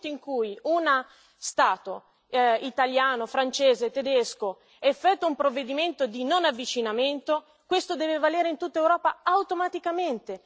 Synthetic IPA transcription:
t̪oiŋkujuna | st̪aːt̪o | it̪aljaːnofɾant͡ʃeːzet̪ed̪esko | ɛfːɛt̪ːwaumpɾovːed̪iment̪od̪inonavːit͡ʃinament̪o | kwest̪od̪ɛːvevalɛːɾeint̪ut̪ːaewɾɔːpaawt̪omat̪ikament̪e

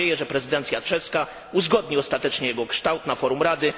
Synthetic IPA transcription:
ejɛʐɛpɾɛzɘd̪ɛnt̪sʲjat͡ʂɛska | uzɡɔd̪ɲiɔst̪at̪ɛt͡ʂɲɛjɛɡɔkʂt̪awt̪nafɔɾumɾad̪ɘ

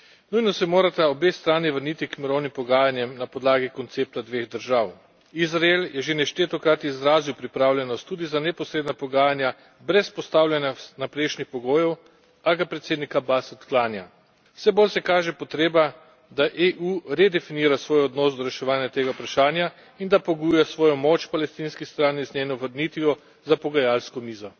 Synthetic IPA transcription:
nujnɔsɛmoːɾat̪aɔbest̪ɾaːniʋəɾniːt̪ikmiɾɔwnimpɔɡaːjanjɛmnapɔd̪laːɡikɔnt̪seːp̚t̪ad̪ʋeɣd̪əɾʒaːw | izɾaeljɛʒenɛʃt̪et̪ɔkɾaːt̪iizɾaːziwpɾipɾaːwlʲɛnɔst̪ːuːd̪izanɛpɔsɾeːd̪napɔɡaːjanja | bɾɛspɔst̪awlʲjanjanapɾeʃnixpɔɡoːjɛw | aɡapɾɛt̪seːd̪nikabasɔt̪klaːnja̰ | wsɛboːlsɛkaːʒɛpɔt̪ɾeːba | d̪aʔeʔuɾed̪ɛfiniːɾasʋoːjɔd̪nɔːsd̪ɔɾɛʃɛʋaːnjat̪eːɡaupɾaʃaːnja | ind̪apɔɡujɛsʋɔːjɔmoːt͡ʃpalɛst̪inskist̪ɾaːniznʲeːnɔʋəɾnit̪ʋijɔ | zapɔɡajalskɔmiːzɔ

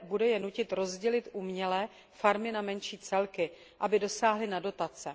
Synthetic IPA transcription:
budɛjɛnucɪt̪ɾo̞zɟɛlɪt̪ʔumɲɛlɛː | faɾmɪnamɛnʃiːt͡sɛlkɪ | ʔabɪdo̞saːɦlɪnado̞t̪at͡sɛ

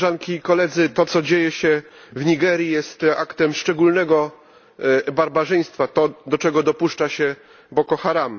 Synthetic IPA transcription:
ʐaŋkʲikɔlɛd̪zɘt̪ɔt̪sɔd͡ʑejɛɕɛvɲiɡɛɾjijɛst̪a̰kt̪ɛmʂt͡ʂɛɡulnɛɡɔ | baɾbaʐɛj̃st̪fat̪ɔd̪ɔt͡ʂɛɡɔd̪ɔpuʂt͡ʂaɕɛ | bɔkɔxaɾam

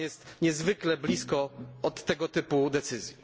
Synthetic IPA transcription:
jɛst̪ɲɛzvɘklɛblʲiskɔɔt̪ːɛɡɔt̪ɘpud̪ɛt̪sɘzʲji

